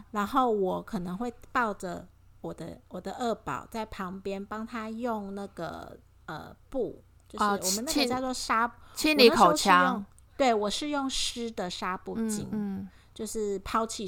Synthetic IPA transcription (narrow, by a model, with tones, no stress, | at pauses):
ɻa˧˦˥nxo˥˩ʊwɔ˨˩kʰɤ˨˩nɤ˧˦ŋxwe˥˧ɪpɑ˥˨˩ʊʈ͡ʂə˨ | wɔ˨˩d̪ə̰˧˦wɔ˨˩d̪ə˦ʔə˥˩pɑ̰˨˩ʊt͡sa˥˩ɪpʰɑ˧˥ŋpjɛ˥npɑ˥ŋt̪ʰa˥jo˥˧ŋna˥˩ɡ̥ə̰˨˩ | ə̰˩pu˥˩ | t͡ɕjo˥˧ʊʂ̩˧˩wɔ˨˩mə˨˦na˥ə˧˩jt͡swɔ˥˧ʂa˥t͡ɕʰi˥nli˨˧˥kʰo˨˩ʊ˥t͡ɕʰjɑ˦jŋo˥˨ŋ | t̪we˥˩ɪwɔ˨˩ʂɻ̩˥˧jʊ˥˩ŋʂɻ̩˥d̪ə˨ʂa˥pu˥˧t͡ɕḭ˧˥n | t͡ɕjo˥˧ʊʂɻ̩˥˩pʰɑ˥ʊt͡ɕʰi˥˧˩